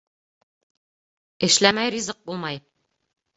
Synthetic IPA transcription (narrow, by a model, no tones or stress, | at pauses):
ɘ̆ʃlæmæjrizɤq̚bulˠmɑj